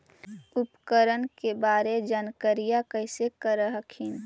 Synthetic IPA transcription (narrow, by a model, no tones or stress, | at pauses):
ʊpkəɾənkebaːɾed͡ʒaːnkəɾijakəɪsekəɾəɦəkʰin